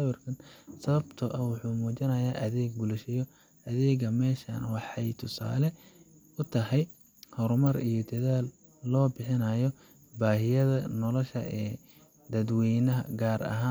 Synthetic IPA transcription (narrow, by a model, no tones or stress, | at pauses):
ɐwɐrkʰɐnsɐβɐbt̪ʰʊʔɐwʊħuːmuːt͡ʃɐnɐjaːʔɐðɛːɡ̚bʊlɛʃɪjɔ | ʔɐðɛːɡɐmɛːʃɐ̰nwɑħɑjt̪ʰʊsa̰ːlɛ | ʊt̪ʰɐɦɛj | hɔɾmɐrijɔd̪ɐðaːlː | ɔːbɪħɪnɐjɔ | baːɦɪjɐðɐnɔlɔʃɐ̰ɛː | d̪ɐd̪wɛjnɐɦɐ̰ɡaːrɐ̰ɦaː